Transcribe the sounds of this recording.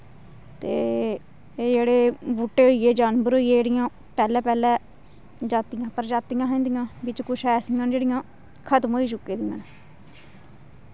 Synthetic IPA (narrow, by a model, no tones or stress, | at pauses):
t̪ḛː | d͡ʒeːɽeːbuːʈːeːɦoːiːeːd͡ʒaːnbəɾoːiːeːd͡ʒeːɽɪjãː | pɛːlɛːpɛːlɛː | d͡ʒaːt̪ɪjãːpəɾd͡ʒaːt̪ɪjãːɦɛ̃ːnd̪ɪjãːʋɪt͡ʃkʊʃɛːsɪjãːnd͡ʒeːɽɪjãː | kʰət̪mɦoːiːt͡ʃʊkːeːd̪ɪjã̰ːn